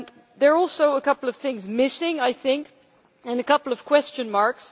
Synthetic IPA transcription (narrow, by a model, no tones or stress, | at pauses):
ðə˞ɔlˠsoʊəkʌpl̩ˠʌv̥θɪ̃ŋzmɪsɪ̃ŋaɪθɪ̃ŋk | ɨ̃nɨkʌpl̩ˠʌv̥kʰw̥ɛst͡ʃɨ̃nmɑɹks